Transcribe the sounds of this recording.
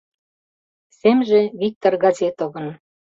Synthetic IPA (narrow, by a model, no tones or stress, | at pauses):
semʒĕβik̚t̪orɡɑzʲet̪oβə̆n